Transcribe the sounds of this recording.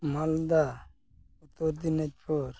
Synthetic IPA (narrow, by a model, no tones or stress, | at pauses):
mald̪a | ut̪oɾd̪inet͡ʃʰoːɾ